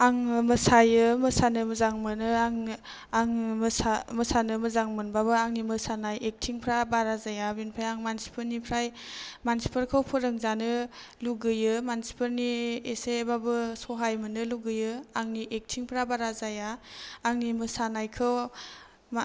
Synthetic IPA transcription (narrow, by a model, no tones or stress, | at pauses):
aŋmɯsajɯmɯsanɯməzaŋmɯnɯaŋ | aŋmaməsanɯməzaŋmɯnbabɯaŋnimɯsanajʔek̚tʰiŋpʰɾabaɾazajabinpʰajaŋmansi̥pʰɯɾnipʰɾajmansi̥pʰəɾkʰɯwpʰɯɾɯŋzanɯluɡɯjɯmansi̥pʰɯɾniesebabɯsoɦajmɯnɯluɡɯjɯaŋniʔek̚tʰiŋpʰɾabaɾazajaːŋnimɯsanajkʰɯw | m